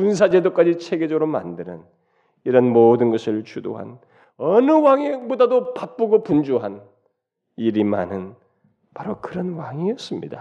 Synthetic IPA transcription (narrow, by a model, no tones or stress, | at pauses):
kuns̬ʰad͡ʑe̞dok͈ad͡ʑit͡ɕʰe̞ɡe̞d͡ʑʌɡɾoma̰ndɯnɯn | iɾʌnmoːdɯnɡʌsʰɯɭt͡ɕʰudo̰ɦa̰n | ʌnɯwaŋibodadopap͈ɯɡopund͡ʑuɦan | iɾima̰nɯn | paɾokɯɾʌnwaŋiʌs͈ɯmɲḭd̥a